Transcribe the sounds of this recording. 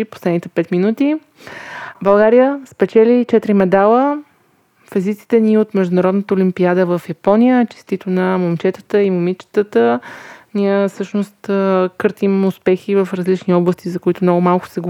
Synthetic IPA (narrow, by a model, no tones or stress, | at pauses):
po̥slɛd̪nit̪ɛpɛt̪minut̪i | bɐlˠɡaɾijəspɛt͡ʃɛlit͡ʃɛt̪ɾimɛd̪alˠə | fɛzit̪si̥t̪ɛniot̪mɛʒd̪ʊnɐɾɔd̪nət̪əʊlimpiad̪əvəfjɐpɔnijət͡ʃɛ̥st̪it̪onɐmomt͡ʃɛt̪ə̥t̪əimomit͡ʃə̥t̪ət̪əniɛfsɤʃnost̪kɤɾt̪imʊspɛxivəfɾɐzlit͡ʃniɔblˠəst̪izɐkʊit̪ʊmnɔɡʊmalˠkʊ̥sɛɡ